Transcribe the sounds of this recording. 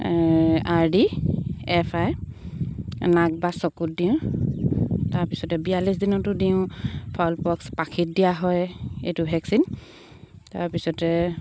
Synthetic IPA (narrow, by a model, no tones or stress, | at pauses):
aɹdiɛpʰaj | naɡ̚basɔkut̚diʊ̃ | taɹpisɔtɛbijalis̬dinɔtʊdiʊ̃pʰɔlpɔkspakʰit̚dijaɦɔjḛjtubʱɛksin | taɹpisɔtɛ